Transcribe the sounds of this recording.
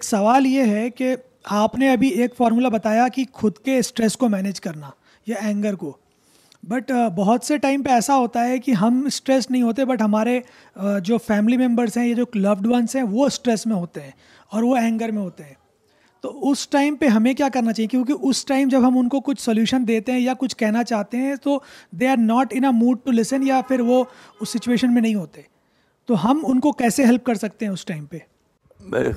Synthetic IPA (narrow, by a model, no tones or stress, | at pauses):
eːksɐʋaːljeɦɛke | aːpneɐbʱieːkfɔːɾmuːlabɐt̪aːjakixʊd̪kesʈɾɛskomɛːneːd͡ʒkɐɾna | jeɛ̃ːŋɡəɾkoː | bɐʈbɐɦʊt̪seʈaːɪmpeɛːsaɦoːt̪aɦɛkiɦɐmsʈɾɛsnɐɦĩɦoːt̪ẽbɐʈɦɐmaːɾe | d͡ʒoːfɛːmɪlimɛ̃mbəɾzɦɛ̃jed͡ʒoːlɐʋɖʋɐnsɦɛ̃ʋoɪsʈɾɛsmẽɦoːt̪eɦɛ̃ː | ɔːɾʋoɛ̃ːŋɡəɾmẽɦoːt̪eɦɛ̃ː | t̪oːʊsʈaːɪmpeɦɐmẽkjaːkɐɾnat͡ʃaːɦiẽkjõːk̬iʔʊsʈaːɪmd͡ʒɐbʱɦɐmʊnkokʊt͡ʃʰsoljuːʃənd̪eːt̪eɦɛ̃jakʊt͡ʃʰkɛɦnat͡ʃaːɦt̪eɦɛ̃t̪od̪eːɾnɔːʈɪ̃nəmuːɖ̚ʈulɪsə̃njafɪɾʋoʊsːɪt͡ʃueːʃənmẽnɐɦĩɦoːt̪eɛ̃ | t̪oɦɐmʊnkokɛːseɦɛlp̚kɐɾsɐk̚t̪eɦɛ̃ʊsʈaːɪmpe | mḛ